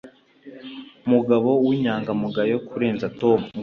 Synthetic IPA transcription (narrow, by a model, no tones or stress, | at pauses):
muɡaβo̞wiɲaːŋɡamuɡajokuɾe̞ːnzatom